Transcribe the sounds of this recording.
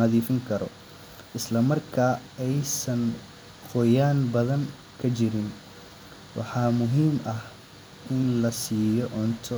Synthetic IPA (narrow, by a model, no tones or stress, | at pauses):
ɐðiːfɪŋkʰɐɾɔ̰ | ʔɪslɐmɐrkʰaːɛjsɐn | hɔjaːnbɐðɐŋ | kʰɐt͡ʃɪɾɪn | wʔɑ̰ħɑːmʊɦiːmʔɐh | ʔɪnlɐsiːjɔʔɔnt̪ʰɔ